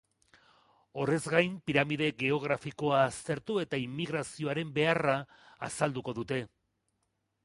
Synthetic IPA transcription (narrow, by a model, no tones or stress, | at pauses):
o̞re̞zɡajmpiɾamiðe̞ɣe̞o̞ɣ̞ɾafiko̞aːst̪e̞ɾt̪ue̞t̪aimːiɣɾasio̞aɾe̞mbe̞araː | sald̪uko̞ðut̪e̞